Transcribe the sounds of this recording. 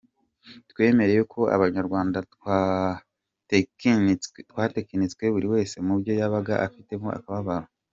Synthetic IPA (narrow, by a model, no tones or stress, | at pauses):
twe̞ːme̞ɾe̞jokʰo̞a̰βaɲaɾɡwaːndatwa | twaːtekanit͡skwe̞βuɾiwe̞ːse̞mubjo̞jaβaɡaʔafite̞mo̞̰ʔa̰kaβaβaɾo